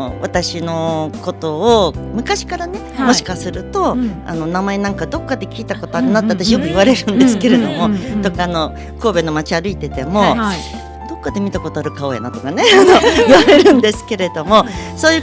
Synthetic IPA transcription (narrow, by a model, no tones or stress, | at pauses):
βat̪aɕino̞ko̞t̪o̞ːmɯ̟kaɕi̥kaɾane̞mo̞ɕi̥kasɨɾɯ̟t̪o̞a̰no̞namae̞nãŋkad̪o̞kːad̪e̞kʲiːt̪ako̞t̪oaɾɯ̟nat̪ːat̪ːaɕijokɯ̟iβaɾe̞ɾɯ̟̃nd̪esɨ̥ke̞ɾe̞d̪o̞mo̞t̪o̞kaːno̞ | ko̞ːbe̞no̞mat͡ɕiaɾɯ̟it̪e̞t̪e̞mo̞ | d̪o̞kːad̪e̞mʲit̪ako̞t̪oaɾɯ̟kao̞ja̰nat̪o̞kane̞ano̞iβaɾe̞ɾɯ̟̃nd̪e̞sɨ̥ke̞ɾe̞d̪o̞mo̞so̞ːjɯ